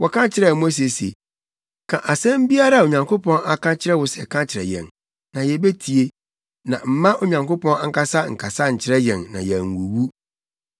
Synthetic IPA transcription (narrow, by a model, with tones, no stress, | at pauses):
wɔ˨kʰã˦t͡ɕʰɪ˨ɾɛ˦˨mo˦s̬e˨sḛ˨ | kʰã̰˨ʔa˨sɛ̃˦m˦bi˦a˦ɾa˦˨o˨ɲã˨ŋko˦pʰɔ̃˦na˨kʰã˦t͡ɕʰɪ˦ɾɛ˦wʊ˨˦sɛ̰˨kʰã˦t͡ɕʰɪ˨ɾɛ̰˨jɛ̰̃˨n | nã˨jɛ˨be˦tʰi˨e˦ | nã̰˨m̩˦mã˦ʔo˦ɲã˨ŋko˦pɔ̃˦na˦ŋ̩˦ka˦sa˦ŋ̩˨kʰa˨sa˦ɲ̩˨t͡ɕʰɪ˦ɾɛ˦jɛ̰̃˨nːã˨jɛ˨ŋ̩˨wu˨wu˦